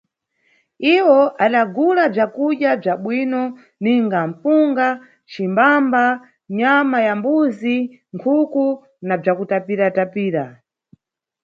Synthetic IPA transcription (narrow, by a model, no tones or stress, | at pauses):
iwɔʔaɗaɡulab͡ʐakuɗjab͡ʐaɓwinɔ | niŋɡam̩fuŋɡa | t͡ʃimbamba | ɲamajambuzi | ŋkʰuku | nab͡ʐakutapiɾatapiːɾa